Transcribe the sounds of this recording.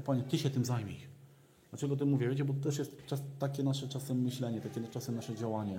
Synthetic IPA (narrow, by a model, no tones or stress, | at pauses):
pavʲjɲɛt̪ɘɕɛt̪ɘmzajmʲḭʃ | d̪lat͡ʂɛɡɔt̪ɘmuvʲjɛvjet͡ɕɛbɔt̪ɔt̪ɛʂ̬jɛst̪t͡ʂast̪ːakʲɛnaʂɛt͡ʂasɛmːɘɕlɛɲɛt̪akʲɛnat͡ʂasɛmnaʂɛd͡ʑawaɲɛ